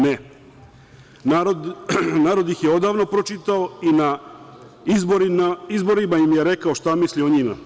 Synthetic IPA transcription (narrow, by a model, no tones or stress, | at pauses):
ne | naɾod̪naːɾod̪ixjeo̞d̪aːʋno̞pɾot͡ʃit̪aoina | iboɾiaizbo̞ɾimaimjeɾe̞kaoʃt̪amislioɲima̰